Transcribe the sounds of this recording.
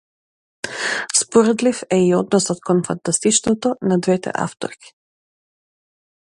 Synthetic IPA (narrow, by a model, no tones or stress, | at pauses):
spɔɾɛd̪lifɛiɔd̪nɔsɔt̪kɔnfant̪ast̪it͡ʃnɔt̪ɔnad̪vɛt̪ɛ̰ʔa̰ft̪ɔ̰ɾkʲi̥